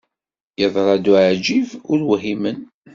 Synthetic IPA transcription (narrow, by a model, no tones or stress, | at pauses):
jəðˤɾˤɑd̪uʕd͡ʒivʊɾwɦimən